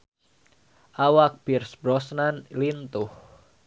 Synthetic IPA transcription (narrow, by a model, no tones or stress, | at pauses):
ʔawak̚birsbɾɔsnanlint̪uh